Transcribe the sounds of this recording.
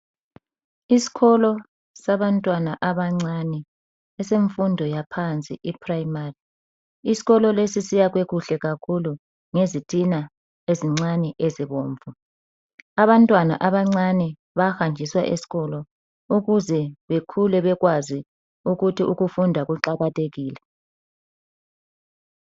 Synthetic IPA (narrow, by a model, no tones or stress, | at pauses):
isi̥ɣɔlɔ | saβantʼwanaʔaβaŋ͡ǀanɛ | ɛseɱfundʱɔjapʰant͡sʼḭʔipʰrajimari | isi̥ɣɔlɔlesisijaɣweɣuɬɛɣakʰulu | ŋezitʰʼina | eziŋ͡ǀanɛʔeziβoːɱvu | aβantʼwana̰ʔaβaŋ͡ǀanɛ | βaxand͡ʒʱiswa̰ʔḛsi̥ɣɔlɔ | uɣuzɛβekʰulɛβɛɣwazi | uɣutʰiʔuɣufundʱaɣuǃaɣatʰʼeɣiːlɛ